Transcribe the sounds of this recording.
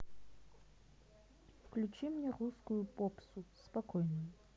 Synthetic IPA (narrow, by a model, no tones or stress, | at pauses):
fklʲut͡ʃʰimɲʲɛruskʊjʊpopsʊspakɔjnujʊ